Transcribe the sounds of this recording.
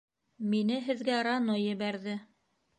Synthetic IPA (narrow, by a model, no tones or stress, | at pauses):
minɘɦɘ̆ðɡæɾɑnojːɘ̆βæɾðɘ